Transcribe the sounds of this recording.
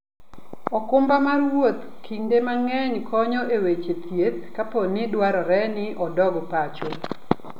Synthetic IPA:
ɔkʊmbamarwot̪ | kʰindemaŋɛɲkʰɔɲɔʔewet͡ʃet̪jet̪̚kaponɪdwaɾɔɾɛnɪʔɔdɔɡpat͡ʃo

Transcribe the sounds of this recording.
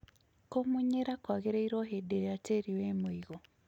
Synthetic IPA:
komuɲeɾakwaɣeɾaiɾoɦedeɾeɾateːɾiwemoiɣo

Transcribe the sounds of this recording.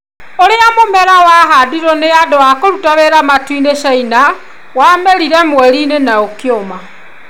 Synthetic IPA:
oɾeamomɛɾawaɦadiɾɔneadowakoɾutaβeɾamatwineʃaina | wameɾiɾɛmwɛɾiːnenaokeoma

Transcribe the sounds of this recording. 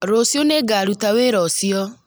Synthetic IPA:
ɾosoneɡaɾutaweɾɔsjɔ

